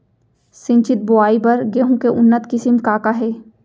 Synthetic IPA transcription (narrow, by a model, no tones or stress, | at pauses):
sɪ̃ɲt͡ʃɪt̪̚boaːibɐɾɡeːɦũkeʔʊnːət̪kɪsɪmkaːkaɦɛː